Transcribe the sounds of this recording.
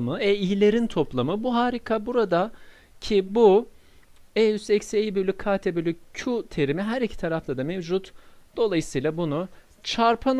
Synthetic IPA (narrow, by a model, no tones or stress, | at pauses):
mɯɛijlʲe̞ɾint̪ʰo̞plˠamɯbuɦaːɾikʰabuɾad̪a | cʰibu | eyzɛcsejibylʲːykʰːaːt̪ʰɛbylʲyut̪ʰe̞ɾimiɦæɾicʰi̥t̪ʰaɾaft̪ad̪amevd͡ʒut̪d̪̥o̞lˠajɯsɯjlˠabunu | t͡ʃʰaɾpʰan